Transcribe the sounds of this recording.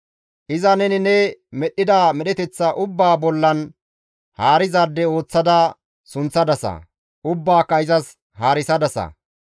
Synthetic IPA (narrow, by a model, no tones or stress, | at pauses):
ʔɪzɐnɛnɪnɛmɛɗːɪd̪aːmɛɗɛt̪ɛt͡sːɐʔʊbːaːbɔlːɐn | haːɾɪzaːd̪ːɛo̞ːt͡sːɐd̪ɐ | sʊnt͡sːɐd̪ɐsɐ̰ | ʔʊbːaːkːɐɪzɐs | haːɾɪsɐd̪ɐsɐ̰